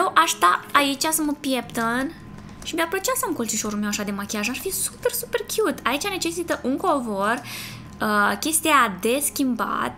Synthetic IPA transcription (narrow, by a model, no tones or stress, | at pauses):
jewʔaʃt̪aait͡ʃʲasəməpje̞pt̪ən | ʃimʲapɾot͡ʃiasamkolt͡ʃiʃo̞ɾulmewaʃad̪e̞makʲiaʒaʃfisu̥pe̞rsupe̞rkʲjut̪ait͡ʃane̞t͡ʃe̞sit̪əʔuŋkovor | əkʲe̞st̪iad̪e̞skʲimba̰t̪